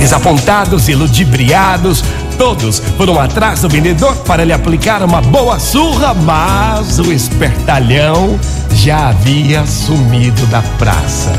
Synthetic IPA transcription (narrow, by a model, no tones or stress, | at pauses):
ezapõnt̪ad̪ʊzɪlud͡ʒibɾiad̪ʊs | t̪od̪ʊspoɾũat̪ɾazʊvẽnd̪ed̪oɾpaɾɐlɪaplikaɾũmɐbowɐsuɣɐmɐzʊespeɾt̪aʎɐ̃w̃ | ʒaaviɐsumid̪ʊd̪ɐpɾa̰sɐ̰